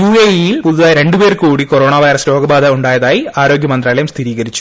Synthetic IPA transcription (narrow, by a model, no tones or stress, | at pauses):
juːeːijilpuðuðaːjɾe̞ɳɖupeːrkuːɽikoɾo̞ːɳaːʋɐjɾɐsɾo̞ːɡɐbaːðɐuɳɖaːjɐðaːjiaːɾo̞ːɡjɐmɐnd̪raːlɐjumst̪ʰiɾiːɣɐɾit͡ɕːu̥